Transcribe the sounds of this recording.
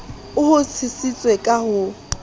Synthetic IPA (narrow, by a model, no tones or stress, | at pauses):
ʊhʊt͡sʰisit͡sʼwekʼahʊ